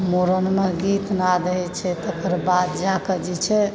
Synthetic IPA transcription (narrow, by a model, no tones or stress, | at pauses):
moɾənmeɡit̪nad̪əɦɛt͡ʃʰɛt̪əkəɾbat̪d͡ʒakəd͡ʒɛt͡ʃʰɛ